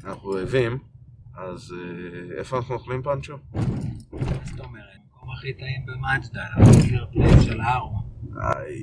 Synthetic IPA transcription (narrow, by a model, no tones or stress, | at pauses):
anaχnuoevimazeḛfoanaχnunoχlimpanʃo | mazet̪aomeʁetmakomaχit̪aimbemat͡ʃd̪aamikiʁplemʃelhaʁoa̰j